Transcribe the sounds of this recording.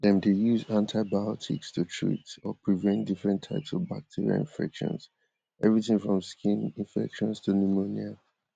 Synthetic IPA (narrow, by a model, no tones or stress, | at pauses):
dɛ̃mdejuzãntʰaɪbajɔtʰḭkstʰutʰɹḭtɔpʰɹivɛ̃ntdifɹɛ̃ntʰːaɪpsɔvba̰k̚tʰiɹḭa̰ḭ̃nfɛ̰kʃɔ̰̃ns | ʔɛvɹiθĩŋfɹɔ̃mskĩnĩnfɛ̰kʃɔ̃nstʰunumonia